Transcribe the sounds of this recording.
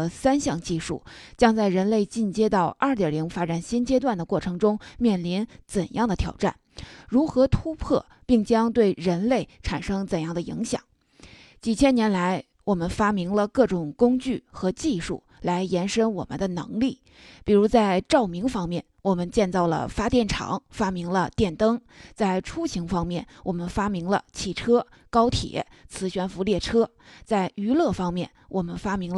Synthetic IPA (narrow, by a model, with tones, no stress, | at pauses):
sa˥nɕjɑ˥˧ŋt͡ɕi˥˧ʂṵ˥˩t͡ɕjɑ˥ŋt͡sa˥˩ɪɻə˧˥nle˥˧ɪt͡ɕi˥˩nt͡ɕjɛ˥t̪ɑ˥˧ʊʔɐ˞˥˩t̪jɛ˨˩li˧˥ŋfa˥ʈ͡ʂa˨˩nɕi˥nt͡ɕjɛ˥t̪̬wa˥˩nd̪ə˩kwɔ˥˩ʈ͡ʂʰɤ˧˥ŋʈ͡ʂʊ˥ŋmjɛ˥˩nli˧˥nt͡sə˨˩njɑ˥˩ŋd̪ə˩t̪ʰjɑ̰˨˩ʊʈ͡ʂa̰˥˩n | ɻu˧˥xɤ˧˥t̪ʰu˥pʰɤ̰˥˩ | pi˥˩ŋt͡ɕjɑ˥ŋt̪we˥˩ɪɻə˧˥nle˥˩ɪʈ͡ʂʰa˨˩nʂɤ˥ŋt͡sə˨˩njɑ˥˩ŋd̪ə˩ḭ˧˥ŋɕjɑ̰˨˩˦ŋ | t͡ɕi˨˩t͡ɕʰjɛ˥njɛ˧˥nla˧˥ɪ | wɔ˨˩mə˦nfa˥mi˧˥ŋlə˧kɤ˥˩ʈ͡ʂʊ˨˩ŋkʊ˥ŋt͡ɕy˥˩xɤ˧˥t͡ɕi˥˧ʂṵ˥˩ | la˧˥ɪjɛ˧˥nʂə˥nwɔ˨˩mə̰˦nd̪ə˧nɤ̰˧˥ŋli˥˩ | pi˨˩ɻu˧˥t͡sa˥˧ɪʈ͡ʂɑ˥˩ʊmi˧˥ŋfɑ˥ŋmjɛ˥˩nwɔ˨˩mə˦nt͡ɕjɛ˥˧nt͡sɑ˥˩ʊlə̰˩fa˥t̪jɛ˥˩nʈ͡ʂʰɑ̰˧˥˦ŋfa˥mi˧˥ŋlə˧t̪jɛ˥˩nt̪ɤ˥ŋ | t͡sa˥˩ɪʈ͡ʂʰu˥ɕi˧˥ŋfɑ˥ŋmjɛ˥˩nwʔɔ˨˩mə˦nfa˥mi˧˥ŋlə̰˧t͡ɕʰi˨˩ʈ͡ʂʰɤ˥ | kɑ˥ʊt̪ʰjɛ̰˨˩˦ | t͡sʰɹ̩˧˥ɕɥɛ˧˥nfu˧˥ljɛ˥˩ʈ͡ʂʰɤ˥ | t͡sa˥˩ɪy˧˥lɤ˥˩fɑ˥ŋmjɛ˥˩nwɔ˨˩mə˧˦nfa˥mi˧˥ŋl